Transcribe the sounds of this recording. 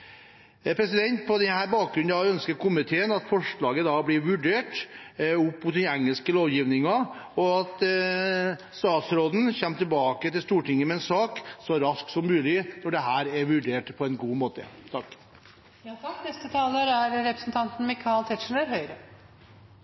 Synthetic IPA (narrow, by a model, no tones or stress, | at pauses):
pʰɾɛs̬ɪd̪ɛnt̪̚pʰɔd̪ɛnhæːɾbɑːk̚ɡɾʉnɑʋœnskəɾkʊmɪt̪ʰeːənɑt̪fɔʂɭɑːɡəd̪ɑblɪɾʋʉɖeːʈ | ʊpːmʊt̪̚d̪ɛnɛŋːəlskəloːʋjiːʋnɪŋɑɔɑt̪ | st̪ɑːt̪sɾoːd̪n̩çɛmːt̪ʰɪlbɑːkət̪ɪlst̪uːʈɪŋːəmɛɛnsɑːksɔɾɑsksɔmːʉːlɪnɔɖɛɦæːɾɛɾʋʉɖeːʈpʰɔɛnɡuːmoːt̪ə̰t̪ʰɑkː | nɛst̪ət̪ʰɑːləɾæɾɾɛpɾəsnt̪ʰɑnt̪n̩mɪkʰɑlt̪ʰɛʂɳ̩əɾɦœʏɾə